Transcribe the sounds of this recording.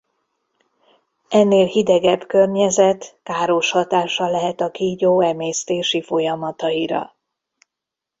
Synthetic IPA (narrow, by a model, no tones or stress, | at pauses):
ɛnːeːlhid̪ɛɡɛbkørɲɛzɛt̪kaːɾo̞ʃhɒt̪aːʃɒlɛɦɛt̪ɒkiːɟoːɛmeːst̪eːʃifo̞jɒmɒt̪ɒiɾɒ̰